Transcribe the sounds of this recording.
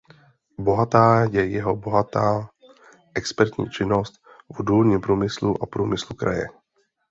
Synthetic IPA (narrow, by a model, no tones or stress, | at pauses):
bo̞ɦat̪aːjɛjɛɦobo̞ɦat̪aː | ʔɛkspɛɾt̪ɲḭːt͡ʃɪno̞st̪̚ | vuduːlɲɪmpɾuːmɪsluʔapɾuːmɪslukɾa̰jɛ̰